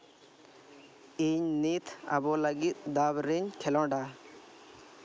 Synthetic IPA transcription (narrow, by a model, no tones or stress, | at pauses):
iɲnit̪ʰa̰bɔləɡit̪̚d̪abɾiɲkʰɛlɔ̃ɖa